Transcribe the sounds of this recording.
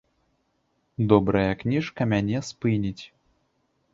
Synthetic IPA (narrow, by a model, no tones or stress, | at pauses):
d̪ɔbɾɐjɐknʲiʂkɐmʲanʲɛspɨnʲit͡sʲ